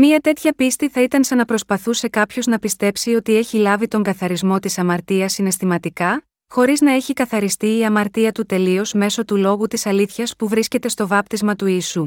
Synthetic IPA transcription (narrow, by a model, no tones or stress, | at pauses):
miɐt̪e̞t̪çɐpist̪iθɐit̪ɐnsɐnɐpɾo̞spɐθuse̞kɐpço̞znɐpist̪e̞psio̞t̪ie̞çilɐvit̪o̞ŋɡɐθɐɾizmo̞t̪isɐmɐɾt̪iɐsːine̞st̪imɐt̪ikɐ | xo̞ɾiznɐeçikɐθɐɾist̪iːɐmɐɾt̪iɐt̪ut̪e̞lio̞zme̞so̞t̪ulo̞ɣut̪isɐliθçɐspuvɾisce̞t̪e̞st̪o̞vɐpt̪izmɐt̪uiːsu